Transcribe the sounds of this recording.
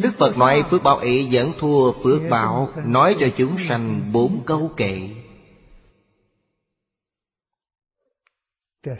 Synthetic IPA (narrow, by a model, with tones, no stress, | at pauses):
ɗɨ˦˥k̚fə˨˩t̚nwa˨˦jfɨ˦˥ək̚ɓa̰ː˧˩wʔi˧˩˦zə̰˧˥nt̪ʰu˧əfɨ˦˥ək̚ɓa̰ː˧˥wnɔ˨˦jt͡ɕɔ˧t͡ɕu˨˦ŋ͡msa˧jŋ̟ɓo˨˦nkə˧wkḛ˧˨